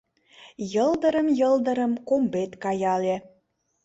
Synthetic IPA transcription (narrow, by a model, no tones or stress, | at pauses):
jɤld̪ə̆ɾə̆mjɤ̆ld̪ə̆ɾə̆mkombet̪kɑjɑle